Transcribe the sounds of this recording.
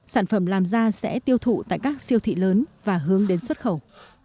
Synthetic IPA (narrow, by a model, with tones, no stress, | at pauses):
saː˧˩nfə˧˩mlaː˨˩mzaː˧sɛ̰˧˥t̪i˧əwt̪ʰṵ˧˨t̪a̰ː˧˨jkaː˦˥k̚si˧əwt̪ʰḭ˧˨ləː˨˦nvaː˨˩ɦɨ˨˦əŋɗe˨˦nswə˦˥t̚xə˧˩w